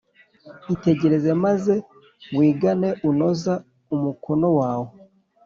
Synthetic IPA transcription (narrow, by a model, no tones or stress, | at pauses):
ite̞ɟe̞ɾe̞ze̞maze̞ | wiːɡane̞ʔuno̞za | umukʰono̞waːwo